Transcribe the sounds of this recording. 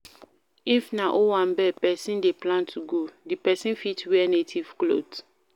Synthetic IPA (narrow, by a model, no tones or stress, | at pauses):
ifnaʔowãnbɛpɛsĩndeplãntʰuɡodipɛsĩnfitwɛnetʰiv̥klo̰d